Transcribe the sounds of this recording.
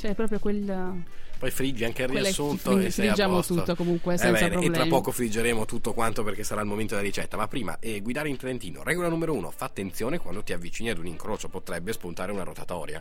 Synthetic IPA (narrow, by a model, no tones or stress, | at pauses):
t͡ʃɛpɾɔːpɾjokwel | pɔjfɾid͡ʒiaŋkerːiassːunt̪oesːɛijad͡ʒamot̪uokomuŋkwesɛbɛaːneɾpelɾapːɔːkofɾid͡ʒːeɾeːmot̪ut̪ːokwant̪operk̟esːaɾaːlmoment̪od̪elaɾit͡ʃɛt̪ːamapːɾiːma̰ʔɛɡwid̪aːɾeint̪ɾent̪iːno̰ɾɛɡolanuːmeɾouːno̰fat̪ːent̪sjoːnekwand̪ot̪iavːit͡ʃiːniad̪uniŋkɾoːt͡ʃopot̪ɾɛbːespunt̪aːɾeunaɾot̪at̪ɔ̰ːɾja̰